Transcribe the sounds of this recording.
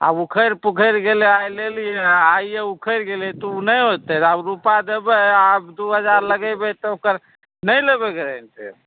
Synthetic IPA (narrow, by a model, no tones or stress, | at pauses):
a̰bukʰəɾpukʰəɾɡeleajlelijeajeukʰəɾɡelet̪ɔunəjɦot̪ɛt̪abɾupad̪ebɛabd̪uɦəd͡ʒaɾləɡəbɛt̪ɔokəɾ | nəjlebɛɡeɾənt̪ḛ